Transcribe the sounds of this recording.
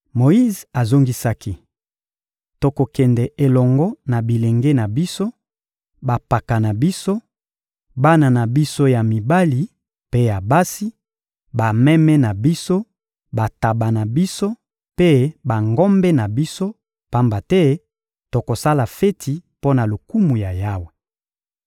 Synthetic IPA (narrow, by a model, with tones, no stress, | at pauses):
mo˨i˦za˨zo˦ŋɡi˦sa˦ki˦ | to˨ko˨kɛ˨ndɛ˨ʔe˨lɔ˨ŋɡɔ˦na˨bi˨le˨ŋɡe˦na˨bi˦so˦ | ba˨pa˨ka˨na˨bi˦so˦ | ba˦na˨na˨bi˦so˦ja˨mi˨ba˦li˨ | pe˦ja˨ba˦si˦ | ba˨mɛ˦mɛ˦na˨bi˦so˦ | ba˨ta˨ba˨na˨bi˦so˦ | pe˦ba˨ŋɡɔ˦mbɛ˦na˨bi˦so˦ | pa˦mba˨tɛ˦ | to˨ko˨sa˦la˨fe˦tʰi˨po˦na˨lo˨ku˦mu˨ja˨ja˦we˨